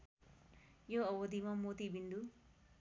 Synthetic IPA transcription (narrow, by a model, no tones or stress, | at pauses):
joɐwod̪imɐmoːt̪ibind̪u